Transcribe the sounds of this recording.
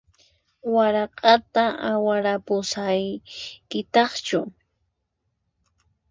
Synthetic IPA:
waɾɑqʼɑt̪aawaɾapʊsajkɪt̪ɑχt͡ʃʊ

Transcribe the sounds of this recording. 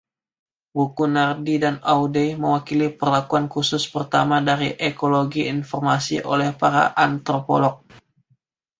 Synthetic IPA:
bukunardidanawdejməwakilipərlakuankusʊspərt̪amadaɾiʔekoloɡiinfɔrmasḭʔo̰lɛhpaɾa̰ʔant̪ɾopo̰lɔk̚

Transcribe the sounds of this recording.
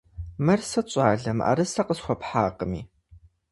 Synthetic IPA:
mɐrsɐt͡ɕʼaːɮɐma̰ːɾɨsɐqəsxʷɔpħaːqəmiː

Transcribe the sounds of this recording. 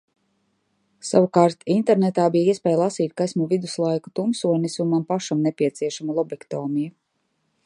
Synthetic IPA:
savukaːɾt̪int̪ɛɾnɛt̪aːbijaiɛspʲɛːjlˠasiːt̪̚kajsmuvid̪uslˠajku̥t̪umsuɔnisumampaʃamnepʲiɛt̪siɛʃamulˠɔbɛkt̪ɔːmiju

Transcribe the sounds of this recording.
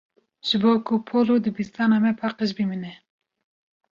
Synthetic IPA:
ʒ̥ɨboːkʰupʰoːlod̪ɨbist̪ɑːnɑːmɛpʰɑqəʃ̬biminɛ

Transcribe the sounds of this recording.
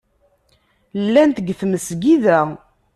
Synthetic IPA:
lːænt̪əɡθməsɡiðæ

